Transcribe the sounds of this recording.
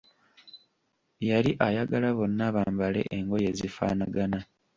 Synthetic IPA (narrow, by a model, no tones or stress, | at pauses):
jaliʔajaɡalaβo̞nːaβaːmbale̞̰ʔeŋɡo̞je̞zifa̰ːnaɡana